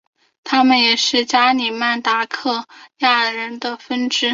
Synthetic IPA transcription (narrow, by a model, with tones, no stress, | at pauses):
t̪ʰa˥mə˨njɛ˨˩ʂɻ̩˥˩t͡ɕja˥ni˨˩ma˥˩nt̪a˧˥kʰɤ˥˩ja˥˩ɻə˧˥nd̪ə˧fə˥nʈ͡ʂɻ̩˥